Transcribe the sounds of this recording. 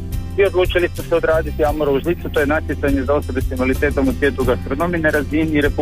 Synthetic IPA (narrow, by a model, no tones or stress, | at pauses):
io̞d̪lˠuːt͡ʃilismoseo̞d̪ɾaːd̪it̪iamoɾauʒlit̪sut̪o̞jenat̪jet̪saɲe̞zao̞so̞besimalit̪e̞ːt̪o̞musʋjeːt̪uɡast̪ɾo̞no̞mineɾaziniːɾe̞pu